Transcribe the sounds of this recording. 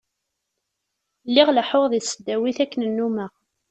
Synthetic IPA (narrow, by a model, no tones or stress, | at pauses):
lːiʁləħoðˤisəd̪ːæwiθækːənənːumæ